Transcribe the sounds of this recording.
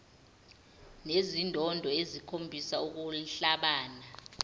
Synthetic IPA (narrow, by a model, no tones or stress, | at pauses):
nezindʱɔndʱɔezikʰombʱisauk̬uɬaɓaːna